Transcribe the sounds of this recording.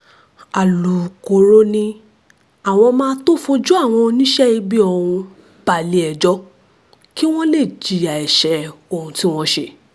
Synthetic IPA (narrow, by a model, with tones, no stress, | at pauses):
a˨lu˨ko˨ɾo˧˦nĩ˧ | a˨w̃ɔ̃˧mãː˦to˦fo˧d͡ʒu˦a˦˨w̃ɔ̃˧nĩ˦ʃɛ˦i˧bi˦o˧hũ˧ | b̥a˨li˧ɛ˨d͡ʒɔ˧˦ | ki˦w̃ɔ̃˦le˦˨d͡ʒi˨a˨ɛ˨ʃɛ˨˦o˦˨ũ˧ti˦w̃ɔ̃˧ʃe˧˨